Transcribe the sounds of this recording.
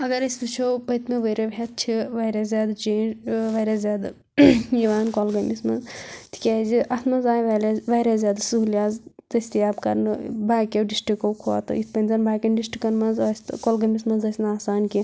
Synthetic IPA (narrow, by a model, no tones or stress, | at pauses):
ɐɡɐɾɐsbɨt͡ʃʰopɐt̪meʋɐɾɐbʱʲet̪̚t͡ʃʰiʋɐɾʲazʲaːd̪t͡ʃeːnd͡ʒʋɐɾazʲaːd̪ | jiʋaːnkolɡɐmismɐnzt̪ʰi̥kʲaːziʔɐsmɐnzaːjʋɐlɐʋɐːɾazʲjaːd̪suɦlʲjaːzt̪ɐsʲt̪iaːbkɐɾnɨbaːkʲɐwɖisʈikɐwkʰoːt̪ɨ̰it̪pɐnʲzɐnbʱaːkʲɐnɖisʈikɐnmɐnzɐsʲt̪kolɡɐmʲismɐnzɐsʲnɨaːsaːnki